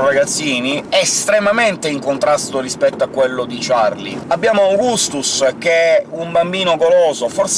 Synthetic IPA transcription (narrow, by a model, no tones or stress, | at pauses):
raɡat̪sːiːniɛst̪ɾemament̪eiŋkont̪ɾast̪orispɛt̪ːoakːwelːod̪it͡ʃarlḭabːjaːmoawɡust̪usɛk̟ːeumbambiːnoɡoloːzofɔrs